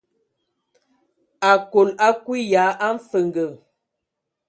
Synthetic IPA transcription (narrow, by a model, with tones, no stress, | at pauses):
a˨ko˨la˦kwi˦ja˨˦ʔa˦m̩˦fə˨ŋɡə˨